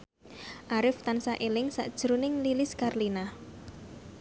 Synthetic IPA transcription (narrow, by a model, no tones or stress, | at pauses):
ʔaɾɪft̪ansaʔelɪŋsa̰ʔd̥ʒ̥ɾunɪŋlilɪskarlina